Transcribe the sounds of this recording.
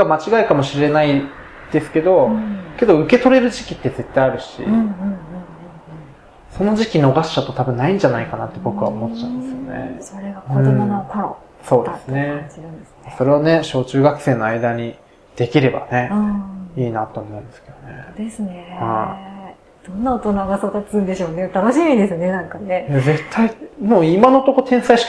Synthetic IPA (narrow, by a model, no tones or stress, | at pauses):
ɡamat͡ɕiɡaikamo̞ɕiɾe̞nai | d̪̥e̞sɨ̥ke̞d̪o̞ke̞d̪o̞ɯ̟ke̞t̪o̞ɾe̞ɾɯ̟ʑikʲit̪ːe̞ze̞t̪ːajaɾɯ̟ɕḭ | so̞no̞ʑikʲino̞ɡaɕɕat̪ːo̞t̪abɯ̟̃nːaĩɲ̟d͡ʑanaikanat̪ːe̞bo̞kɯβaomo̞t̪ːt͡ɕaɯ̃nd̪esɨjo̞nḛoɾeɡaõmn | so̞ːd̪esɨne̞t͡ɕiɾɯ̃nd̪esɨaso̞ɾe̞β̞ane̞ɕo̞ːt͡ɕɨːɡakɯ̟̥se̞ːno̞aid̪aɲ̟i | d̪̥e̞kʲiɾe̞ba̰ne̞ | iːnat̪o̞ːmo̞ɯ̟̃nd̪esked̪o̞ne̞d̪̥esɨne̞hai | d̪̥õnːaot̪o̞naɡasod̪at͡sɨ̃nd̪e̞ɕo̞ːnet̪anoɕimʲid̪e̞sɨne̞nãŋkane̞jaze̞t̪ʰːaimoːimano̞t̪o̞ko̞t̪ʰẽ̞ɰ̃saiɕi̥